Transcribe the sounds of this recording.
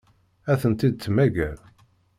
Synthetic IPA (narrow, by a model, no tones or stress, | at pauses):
æθənt̪id̪̚t͡sːmæɡæɾ